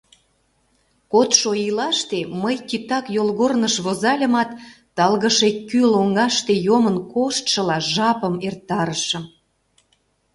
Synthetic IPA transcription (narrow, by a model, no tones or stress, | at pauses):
kot̪ʃoilɑʃt̪eməjkit̪ɑkjolɣornəʃβozɑlʲə̆mɑt̪ː | ɑlɣəʃekːyloŋɑʃt̪ejomənkoʃt̪ʃə̆lɑʒɑpəmert̪ːɑɾəʃəm